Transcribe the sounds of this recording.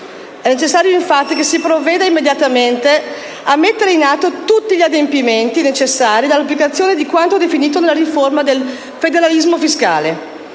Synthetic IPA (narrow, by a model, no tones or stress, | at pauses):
ɛnet͡ʃesːaːɾjoiɱfat̪ːikesipɾovːeːd̪aimːed̪jat̪ament̪e | amːet̪ːeɾeinat̪ːot̪ut̪ːiʎiad̪empiment̪inet͡ʃesːaːɾid̪alːapːlikat̪sːjoːned̪ikwant̪od̪efiniːt̪̬onelːaɾiformad̪el | fed̪eɾalizmofiska̰ːle